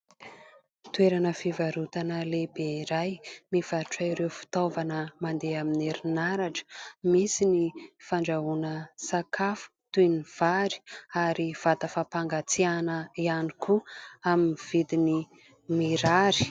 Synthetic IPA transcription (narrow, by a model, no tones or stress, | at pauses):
t̪weɾanəfivaɾut̪anəlebeiɾajmiv̥aɾuʈ͡ʂaiɾewfi̥t̪ovanəmand̪eamineɾinaɾaʈ͡ʂə̥misinifaɳɖ͡ʐaɦunəsakafu̥t̪univ̥aɾi̥aɾiv̥at̪əfapaŋɡat͡sianəianikuaminiv̥id̪ini | miɾaɾi̥